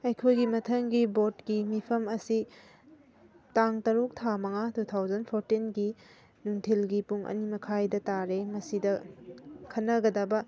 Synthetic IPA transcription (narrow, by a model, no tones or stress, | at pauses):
ɐjkʰojɡimɐtʰɐŋɡibotkimipʰɐmɐsi | taŋtɐɾuk̚tʰamɐŋatutʰawzɐnpʰoɾtinɡi | nuŋtʰilɡipuŋʔɐ̰nimɐkʰajdɐtaɾemɐsidɐ | kʰɐnːɐɡɐdɐbɐ